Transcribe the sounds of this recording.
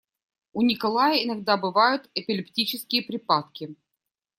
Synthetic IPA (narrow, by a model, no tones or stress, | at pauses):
ʊnʲɪkɐlˠajəɪnɐɡ̚d̪abɨvajʊt̪ɛpʲɪlʲɪptʲit͡ɕɪskʲɪjəpɾʲɪpat̪̚kʲɪ